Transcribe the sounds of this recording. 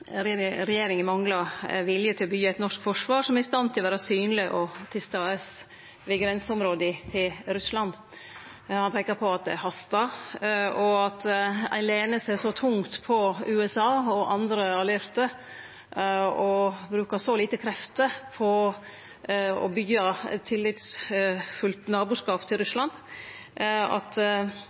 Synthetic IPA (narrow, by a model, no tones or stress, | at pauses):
ɾɛjeːɾɪŋɪmɑŋɡlɑʋɪljət̪ʰɪlɔbyːæɪt̪nɔʂkfɔʂʋɑːɾʂɔmɛɾɪst̪ɑnt̪ʰɪlɔʋæːɾɑsyːnlɪʔɔt̪ʰɪlst̪ɑəs | ʋɪɡɾɛnsʊmɾoːd̪ɪt̪ʰɪlɾʉslɑn | hɑnpʰeːkɑɾpʰɔɑt̪̚d̪ɛ̰æɾhɑst̪ɑ | ɔɑt̪æ̰ɪnleːnəseːʂɔt̪ʰʊŋt̪pʰɔʉːɛsɑːɔʔɑnd̪ɾəɑlɛɾt̪ə | ɔbɾʉːkɑsɔliːt̪əkʰɾɛft̪əpʰɔ | ɔ̰bʏɡɑt̪ʰːɪlːɪt̪sfʉlt̪nɑːbʉːʂkɑːpt̪ʰɪlɾʉslɑn | ɑ̰t̪